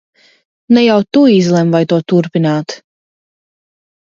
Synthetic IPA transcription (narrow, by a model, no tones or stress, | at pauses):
nɛjawt̪uizlˠɛmvajt̪uɔt̪uɾpinaːt̪